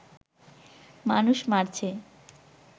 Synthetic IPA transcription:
manuʃmaɾt͡ɕʰe

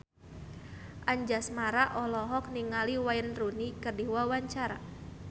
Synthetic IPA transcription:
ʔaɲd͡ʒasmaɾaʔɔlɔɦɔk̚niŋaliwajənrunikərdiwawaɲt͡ʃaɾa̰

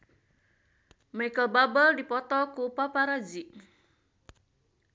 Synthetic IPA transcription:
majkəlbabəldipɔt̪ɔkupapaɾad͡ʒiʔ

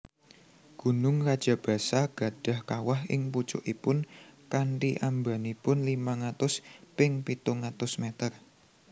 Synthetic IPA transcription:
ɡ̥ṳnʊŋrad̥ʒ̥ä̤b̥ä̤saɡ̥a̤d̥a̤hkawaɦɪ̰ŋput͡ʃʊ̰ʔipʊnkaɳʈiʔamba̤nipʊnlimaŋat̪ʊspɪŋpit̪ʊŋat̪ʊsmet̪ər

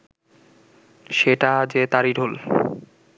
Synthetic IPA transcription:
ʃeʈad͡ʑet̪aɾiɾʱol

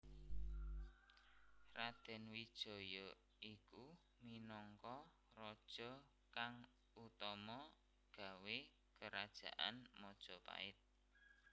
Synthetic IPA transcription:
rad̪̥ɛ̤nwid̥ʒ̥ɔ̤jɔ | ʔiku | minɔŋkɔ | rɔd̥ʒ̥ɔ̤ | kaŋ | ut̪ɔmɔ | ɡ̥ä̤we | kəɾad̥ʒ̥ä̤ʔa̰nmɔd̥ʒ̥ɔ̤pa̰ɪt̪̚

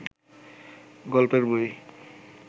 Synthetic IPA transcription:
ɡɔlpeɾboj

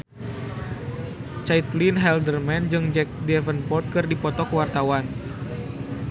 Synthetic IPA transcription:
t͡ʃait̪linɦɛldərmɛnd͡ʒɨŋd͡ʒɛk̚dɛvənpɔt̪̚kɨrdipɔt̪ɔkəwart̪awan

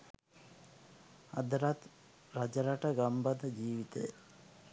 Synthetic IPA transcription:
ɐd̪ɾɐt̪ | ɾɐd͡ʒɐɾɐʈɐɡɐmbɐd̪ɐd͡ʒiːʋit̪ḛj

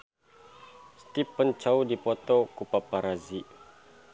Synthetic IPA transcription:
st̪ipənt͡ʃaudipot̪okupapaɾaziʔ

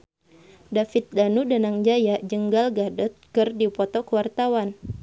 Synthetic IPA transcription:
dafɪt̪̚danudanaŋd͡ʒajad͡ʒəŋɡalɡadɔt̪̚kɨrdipɔt̪ɔkəwart̪awan

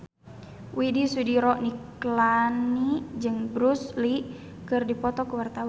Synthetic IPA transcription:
widisudiɾɔʔniklanid͡ʒɨŋbɾusli | kɨrdipɔt̪ɔkuwart̪awa

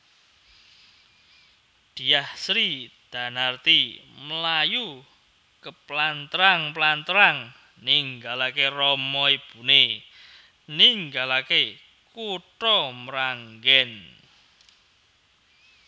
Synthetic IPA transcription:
d̪̥i̤jahsɾid̪̥a̤nart̪iməlaju | kəplant̪əɾaŋplant̪əɾaŋ | niŋɡalakerɔmɔib̥ṳne | niŋɡalake | kuʈɔməɾaŋɡɛn

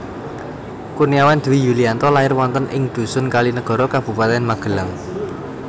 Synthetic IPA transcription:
kuniawand̪̥uwijuliant̪ɔlaɪrwɔnt̪ənʔɪ̰ŋd̪̥ṳsʊnkalinəɡ̥ɔ̤ɾɔkab̥ṳpat̪ɛnmaɡ̥ə̤laŋ

